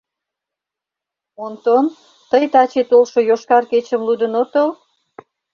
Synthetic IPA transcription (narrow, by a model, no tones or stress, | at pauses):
ont̪on | t̪əjt̪ɑt͡ɕet̪olʃojoʃkɑrket͡ɕəmlud̪ənot̪ol